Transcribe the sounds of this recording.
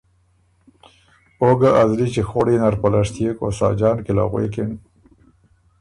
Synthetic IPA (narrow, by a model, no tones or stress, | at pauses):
oɡaʔazlit͡ʃexoɽenaɾpalaʂt̪jeko̰sɑ̰ːd͡ʒɑːnkɪla̰ɣwḛkɪn